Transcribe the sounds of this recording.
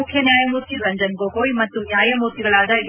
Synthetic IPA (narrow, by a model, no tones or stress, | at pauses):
ukʰjɐnjaːjɐmuːɾt̪iɾɐɲd͡ʒɐnkoːkoːjmɐt̪ːunjaːjɐmuːɾt̪iɡɐɭaːd̪ɐi